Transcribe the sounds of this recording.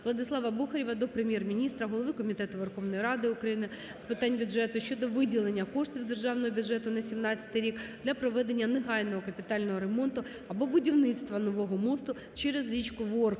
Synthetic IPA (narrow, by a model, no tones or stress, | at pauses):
ʋlˠɐd̪ɪslˠɑʋɐbuxɐɾʲiʋɐd̪ɔpɾemʲjɛrmʲinʲist̪ɾɐɦɔlˠɔʋɪkɔmʲit̪ɛt̪ʊʋerxɔʋnɔjɾɑd̪ɪʊkɾɐjinɪ | spɪt̪ɑnʲbʲʊʐɛt̪ʊʃt͡ʃɔd̪ɔʋɪdʲilˠenʲːɐkɔʂt̪ʲiwd̪erʒɑwnɔɦɔbʲʊdʐɛt̪ʊnɐsʲimnɑt͡sʲɐ̥t̪ɪjɾʲikd̪̥lʲɐpɾɔʋɛd̪enʲːɐneɦɑjʲnɔɦɔkɐpʲɪt̪ɑlʲnɔɦɔɾemɔnt̪ʊ | ɐbɔbʊdʲiwnɪt̪st̪ʋɐnɔʋɔɦɔmɔst̪ʊ | t͡ʃɛɾezɾʲit͡ʃkʊʋɔr